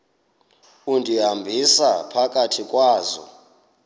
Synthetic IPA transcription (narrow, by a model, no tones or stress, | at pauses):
undʱiɦambʱisapʰakʼatʰikʼwaːzɔ̰